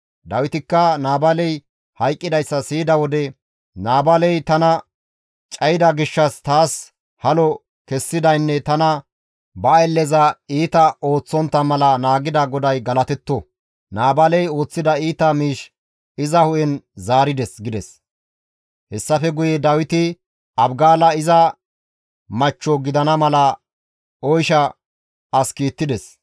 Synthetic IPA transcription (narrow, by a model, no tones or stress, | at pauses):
d̪ɐwɪt̪ɪkːɐnaːbɐlɛj | hɐjkʼːɪd̪ɐjsːɐsiːd̪ɐwɔd̪ɛ | naːbɐlɛjt̪ɐnɐ | t͡ʃʼɐjɪd̪ɐɡɪʃːɐst̪aːs | hɐlɔ | kɛsːɪd̪ɐjnːɛt̪ɐnɐ | bɐɐjlːɛzɐiːt̪ɐʔo̞ːt͡sːɔnt̪ːɐmɐlɐnaːɡɪd̪ɐɡɔd̪ɐjɡɐlɐt̪ɛt̪ːɔ | naːbɐlɛjo̞ːt͡sːɪd̪ɐiːt̪ɐmiːʃ | ɪzɐhʊʔɛnzaːɾɪd̪ɛsɡɪd̪ɛs | hɛsːɐfɛɡʊjɛd̪ɐwɪt̪ɪ | ɐbɡaːlɐɪzɐ | mɐt͡ʃːɔɡɪd̪ɐnɐmɐlɐ | ɔjʃɐ | ɐskiːt̪ːɪd̪ɛs